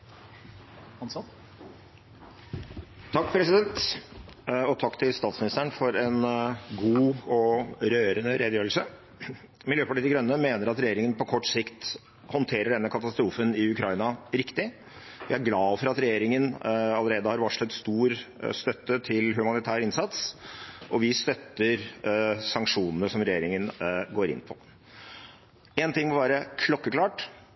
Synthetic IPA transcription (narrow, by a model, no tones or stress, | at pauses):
ɑns | t̪ʰɑkːpʰɾɛsɪd̪ɛnt̪ | ɔt̪ʰɑkːt̪ʰɪlst̪ɑːt̪smɪnɪst̪əɳfɔɾɛnɡuːɔɾøːɾənəɾʔeːd̪jøːɾl̩sə | mɪljøːpɑʈɭiːt̪ɪkɡɾœnːəmeːnəɾɑt̪ɾɛjeːɾɪŋənpʰɔkʰɔʈːsɪkt̪ | hɔnt̪ʰeːɾəɖɛnːəkʰɑt̪ɑst̪ɾuːfənɪʉkʰɾɑɪnɑɾɪkt̪ɪ | ʋɪæɾɡlɑːfɔɾɑt̪ɾɛjeːɾɪŋənɑləɾeːd̪əhɑɾʋɑʂləɛt̪st̪uːɾst̪œt̪ːət̪ʰɪlɦʉmɑnɪt̪ʰæːɾəɪnsɑt̪sʔɔʋɪst̪œt̪ːəɾsɑŋkʂuːnənəsɔmɾɛjeːɾɪŋənɡoːɾɪ̰nːpʰɔ | ɛːnt̪ɪŋːmɔʋæːɾəkʰlɔkːəkʰlɑːʈ